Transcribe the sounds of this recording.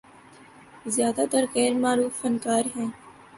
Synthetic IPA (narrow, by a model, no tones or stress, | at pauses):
zɪjaːd̪aːt̪əɾɣɛːɾmaːɾuːfənkaːɾɦɛ̃ː